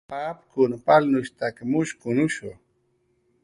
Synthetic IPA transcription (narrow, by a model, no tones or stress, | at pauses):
paːpkʊnpalnʊʃt̪akmʊʃkʊnʊʃʊ̰